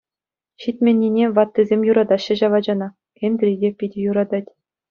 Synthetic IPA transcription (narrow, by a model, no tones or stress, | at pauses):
ɕitʲmʲenʲːinʲeʋɑt̪ːizʲemʲjuɾɑd̪ɑɕːɘ̆ʑɑʋɑd͡ʑɑnɑ | kʲenʲd̪rʲidʲepʲidʲĕjuɾɑd̪ɑtʲ